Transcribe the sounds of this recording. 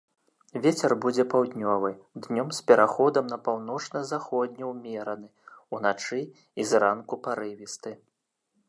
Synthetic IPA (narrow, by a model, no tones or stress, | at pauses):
vʲet͡sʲɛrbud͡zʲɛpawd̪ʲnʲɔvɨd̪nʲɔmspʲɛɾʔaxɔd̪ɐmnɐpawn̪ɔt͡ʂnɐzaxɔd̪ʲnʲɛwmʲɛɾɐnɨun̪at͡ʂɨ | izrankupaɾɨvʲist̪ɨ